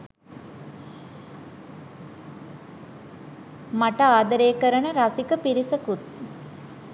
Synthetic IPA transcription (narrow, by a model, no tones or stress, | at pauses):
maʈəaːd̪əɾeːkəɾənəɾasikəpiɾisəkut̪̚